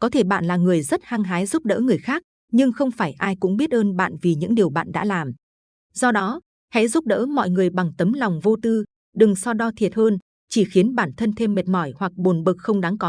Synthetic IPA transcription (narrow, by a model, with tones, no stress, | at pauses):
kɔ˨˦t̪ʰe˧˩ɓa̰ː˧˨nlaː˨˩ŋɨ˨˩əjzə˦˥t̚haː˧ŋɦaː˨˦jzu˦˥p̚ɗə̰ː˧˥ŋɨ˨˩əjxaː˦˥k̚ | ɲɨ˧ŋxə˧wŋ͡mfaː˧˩jʔaː˧jkʊ̰˧˥ŋ͡mɓi˦˥ət̚həː˧nɓa̰ː˧˨nvi˨˩ɲɨ̰˧˥ŋɗi˨˩əwɓa̰ː˧˨nɗa̰ː˧˥laː˨˩m | z̥ɔ˧ɗɔ˨˦ | hɛ̰˧˥zu˦˥p̚ɗə̰ː˧˥mɔ̰˧˨jŋɨ˨˩əjɓa˨˩ŋt̪ə˨˦mla˨˩wŋ͡mvo˧t̪ɨ˧ | ɗɨ˨˩ŋsɔ˧ɗɔ˧t̪ʰi˨˩ət̚həː˧n | t͡ɕi˧˩xi˨˦ənɓaː˧˩nt̪ʰə˧nt̪ʰe˧mːe˨˩t̚mɔ˧˩jhwa˨˩k̚ɓo˨˩nɓɨ˨˩k̚xə˧wŋ͡mɗa˨˦ŋkɔ˨˦